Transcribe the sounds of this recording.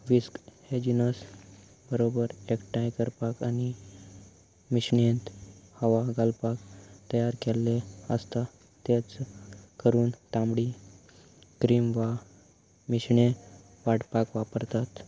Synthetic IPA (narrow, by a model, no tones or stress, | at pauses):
ʋiskhed͡ʑinəs | bəɾobəɾekʈãjkəɾpakani | miɕɳent̪həʋaɡalpakt̪əjaɾkɛlːeəst̪a | t̪et͡skəɾuːnʈ̪ãmbɽi | kɾimʋa | miɕɳe | ʋaɽpakʋapəɾt̪at̪